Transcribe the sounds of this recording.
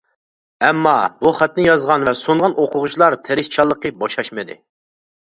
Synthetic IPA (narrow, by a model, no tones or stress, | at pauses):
ɛmːɑbuχæt̪nɪjɑzʁɑnvɛsoɴʁɑnoqʰʊʁʊt͡ʃʰlˠɑɾt̪ʰeɾɪst͡ʃʰɑlˠːəqəbɑʃɑʃmɨd̪ɪ̰